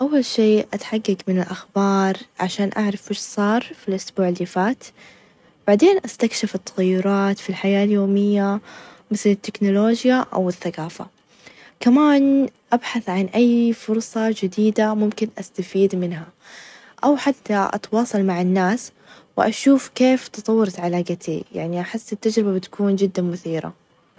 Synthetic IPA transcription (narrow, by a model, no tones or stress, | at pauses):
ʔawːalʃeːʔat̪ħaɡːaɡmɪnɪlʔaxbɑːɾˤʕaʃaːnʔaʕɾˤɑfʔɪʃsˤɑːɾˤfilʔʊsbuːʕɪlːiːfaːt̪ | b̥aʕd̪eːnʔast̪akʃɪfɪt̪ːɑ̥ɣɑjːʊɾˤɑːt̪filħajaːljoːmɪjːa | mɪθlɪt̪ːɪknʊloːd͡ʒjaʔa̰wɪθːaɡaːfa̰ | kamaːnʔabħaθʕanʔajːfʊɾsˤɑd͡ʒɪd̪iːd̪amʊmkɪnʔast̪afiːd̪mɪnɦa | ʔawħat̪ːaʔɑ̰t̪wɑːsˤɑlmaʕɪnːaːs | wɪ̰ʔa̰ʃuːfkeːft̪ɨt̪ˤɑwːɑɾˤɑt̪ʕalaːɡat̪ḭja̰ʕniʔaħɪsːɪt̪ːad͡ʒɾɪbabɪt̪ḁkuːnd͡ʒɪd̪ːamʊθiːɾa̰